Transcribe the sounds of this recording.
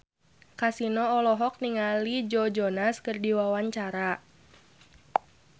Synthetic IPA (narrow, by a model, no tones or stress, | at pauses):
kasinɔːlɔɦɔk̚niŋalid͡ʒɔd͡ʒɔnaskərdiwawaɲt͡ʃaɾa